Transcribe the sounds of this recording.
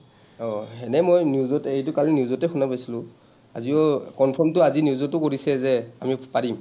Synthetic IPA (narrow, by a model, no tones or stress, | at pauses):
ɔhɛnɛmojnjuzɔtɛejtʊkalinjuzɔtɛxunapajsilʊ̃ | a̰ziɔkɔnpʰɔmtʊazinjuzɔtʊkoɹisɛzɛamipaɹim